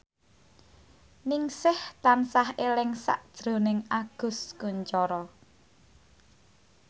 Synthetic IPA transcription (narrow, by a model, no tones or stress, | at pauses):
niŋsɪht̪ansahelɪŋsa̰ʔd̥ʒ̥ɾo̤nɪŋaɡ̥ʊ̤skuɲt͡ʃɔɾɔ